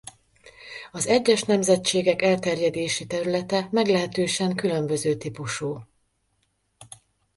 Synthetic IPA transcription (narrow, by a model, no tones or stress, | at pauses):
ɒzɛɟːɛʃnɛmzɛt͡ʃeːɡɛkɛlt̪ɛrjɛd̪eːʃit̪ɛɾylɛt̪ɛmɛɡlɛɦɛt̪øːʃɛŋkylø̞mbø̞zøːt̪ipuʃuː